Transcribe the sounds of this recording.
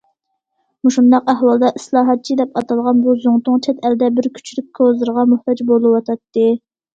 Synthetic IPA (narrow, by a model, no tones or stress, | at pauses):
muʃund̪ɑqæhwɑlˠd̪ɑʔislˠɑːɦɑt̪̚t͡ʃʰid̪ɛpɑt̪ʰɑlˠʁɑnbuzoŋt̪ʊŋt͡ʃʰɛt̪ʰɛld̪ɛbɪɾkʲʰy̥t͡ʃʰylyk̚ʲkʰozɨɾʁɑmuht̪ɑd͡ʒbolˠɨwɑt̪ʰɑt̪ːɨ